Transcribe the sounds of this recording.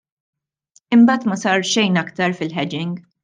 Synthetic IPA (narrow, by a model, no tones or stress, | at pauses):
ɪmbɐːt̪mɐsɐːɾʃɛjnɐkt̪ɐɾfɪlħɛd͡ʒɪŋɡ